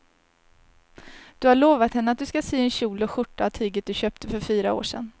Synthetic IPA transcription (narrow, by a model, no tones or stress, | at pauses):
d̪̥ɵhaɭoːvat̪hɛnːəat̪̚d̪ɵskaseːɛnɕuːlɔɧʊʈːaːvt̪ʰyːɡət̪̚d̪ɵɕøːp̚t̪əfœɾfyːɾao̰ːʂɛ̰n